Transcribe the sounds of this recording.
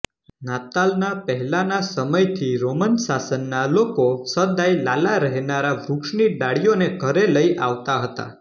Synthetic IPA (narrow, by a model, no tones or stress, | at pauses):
nat̪alnapəɦɛlanasəməjt̪ʰiɾomənsasənːalokosəd̪ajlalaɾəɦenaɾaʋɾukʂɳiɖaɭijoneɡʱəɾeləjaʋt̪aɦət̪a̰